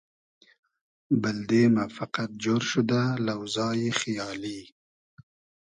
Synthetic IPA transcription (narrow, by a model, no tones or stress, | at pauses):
bɪld̪emafaqat̪̚d͡ʒoɾʃʊd̪alawzɑjexjɑːli